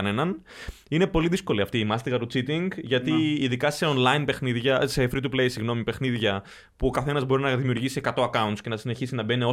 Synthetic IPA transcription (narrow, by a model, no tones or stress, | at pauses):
ɐne̞nɐn | ine̞po̞liðisko̞liɐft̪iːmɐst̪iɣɐɾut͡sit̪iŋɡʝɐt̪iːðikɐse̞o̞nlɐinpe̞xniðʝɐsefɾit̪̬uplejsiɣno̞mipe̞xniðʝɐ | puo̞kɐθe̞nɐzbo̞ɾinɐðimiuɾʝisie̞kɐt̪o̞ɐkɐunt̪sce̞nɐssine̞çisinɐbeneo̞